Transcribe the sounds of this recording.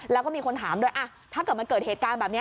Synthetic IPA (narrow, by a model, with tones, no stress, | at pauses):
lɛː˦˥wkɔː˥˩miː˧kʰo˧nt̪ʰaː˩˦mdu˥˩əjʔa˧˩ | t̪ʰaː˥˩ka˨˩ma˧nkɤː˨˩t̪̚heː˨˩t̪kaː˧nbɛː˨˩p̚ni˦˥